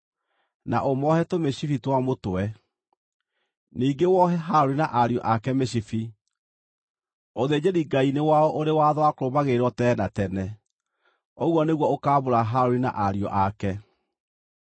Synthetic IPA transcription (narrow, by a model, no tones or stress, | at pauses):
na̰ʔomɔhɛtomeɕifitwamotoɛ | niːɡewɔɦɛɦaoɾinaʔaɾjɔ̰ʔakɛmeɕifi | oðeːd͡ʑeɾiɡainewaɔʔoɾewaðɔwakoɾobaɣeɾɔtɛnatɛnɛ | oɣwɔneɣwɔokaːβoɾaɦaɾoɾina̰ʔaɾiɔ̰ʔakɛ